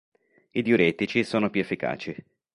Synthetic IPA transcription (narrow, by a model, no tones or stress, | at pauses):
id̪juɾɛt̪it͡ʃisoːnopjuefːika̰ːt͡ʃi